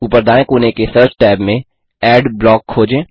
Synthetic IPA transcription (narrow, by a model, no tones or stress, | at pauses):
upəɾd̪aːẽkuːnekesəɾt͡ʃʈɛːbmẽ | ɛːɖblɔːkʰːoːd͡ʒẽː